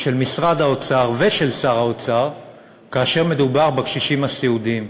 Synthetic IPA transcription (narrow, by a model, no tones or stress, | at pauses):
ʃelmisʁad̪aot͡saʁveʃe̞lsaʁaot͡saʁ | kaːʃe̞ʁme̞d̪ubaʁbekʃiʃimasiud̪im